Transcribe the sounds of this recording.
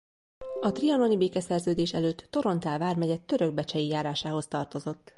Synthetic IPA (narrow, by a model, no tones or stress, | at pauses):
ɒt̪riɒno̞nibeːkɛsɛrzøːd̪eːʃɛløːt̪ːo̞ɾo̞nt̪aːlvaːrmɛɟɛt̪ːø̞ɾø̞ɡ̚bɛt͡ʃɛjijaːɾaːʃaːɦo̞st̪ɒrt̪o̞zo̞t̪ː